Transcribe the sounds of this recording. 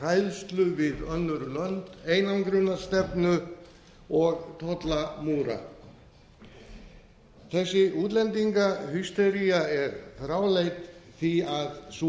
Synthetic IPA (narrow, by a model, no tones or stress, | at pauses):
ajlst̪lʏvɪðœnːʏɾʏlœnt̪eːjnankɾʏnːast̪ɛpnʏ | ɔɣt̪ʰɔt̪lamuːɾa̰ | θɛsːɪʔuːt̪lɛnt̪iŋkahʏst̪ɛɾijaɛɾfɾaːwlejt̪θiaðs